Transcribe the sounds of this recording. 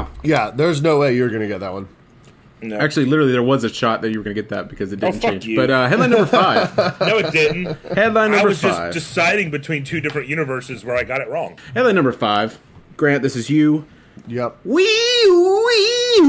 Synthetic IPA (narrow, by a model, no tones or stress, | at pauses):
jæðə˞znoʊweɪjə˞ɡʌnɨɡɛt̪̚ðət̚wʌ̰̃n | æk̚t͡ʃʉl̩ˠilɪɾə˞l̩ˠiðə˞wʌzɨʃɑt̪̚ðɨt͡ʃɨwə˞ɡʌnɨɡɛt̪̚ðɨ̰t̚b̥ɨkʰʌzɨt̚d̥ⁿn̩t͡ʃʌẽɪ̃d͡ʒb̥ʌtʌɦɛdˡlˠãɪ̃nʌ̃mbə˞faɪv̥noʊɨtd̥ɪdⁿn̩thɨdlaɪnʌ̃ɪbə˞ʌzfd͡ʒʌɪvd̥ɨsaɪɾɪ̃ŋbɨtʰw̥ĩntʰʉdɪfɹɨ̃nʔjʉnɨvɜ˞sɨzwə˞aɪɡɑɾɨt̚ɹɔ̰̃ŋhɛdlˠaɪnʌ̃mbə˞faɪv̥ | ɡ̥ɹæ̃nðɪsɨzjʉ | jɛp̚wi | wi